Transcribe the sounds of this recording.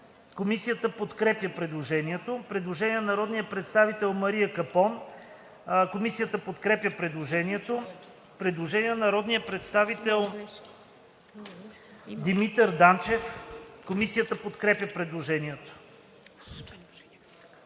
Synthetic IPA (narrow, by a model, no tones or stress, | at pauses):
komisijət̪əpot̪kɾɛpjəpɾɛd̪lˠoʒɛniɛt̪opɾɛd̪lˠoʒɛniənɐɾɔd̪nijəpɾɛt̪st̪avit̪ɛlˠmɐɾiəkɐpɔn | komisijət̪əpot̪kɾɛpjəpɾɛd̪lˠoʒɛniɛt̪o | pɾɛd̪lˠoʒɛnijənɐɾɔd̪nijəpɾɛt̪st̪avit̪ɛlˠ | d̪imit̪əɾd̪ant͡ʃɛfkomisijət̪əpot̪kɾɛpjəpɾɛd̪lˠoʒɛniɛt̪o̥